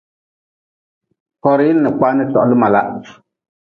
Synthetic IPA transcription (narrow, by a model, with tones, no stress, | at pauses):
kɔ˨ɾi˦lnɛ˨k͡pa˦nɛ˦tɔ̰˨ʔlɨ˦ma˨la̰˨ʔ